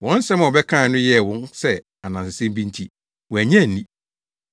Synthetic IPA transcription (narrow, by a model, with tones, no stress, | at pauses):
wɔ̃˨˦n̩˦sɛ˦ma˨ɔ˨bɛ˦kʰã˦˨nʊ̃˦jɛ˦˨wʊ̃˦nsɛ˦ | a˨nã˨sɪ˨sɛ̃˦m˦bĩ˦n˦tʰi˦ | wɔ˨æ˨ɲɛ̃˦˨n˨nĩ˦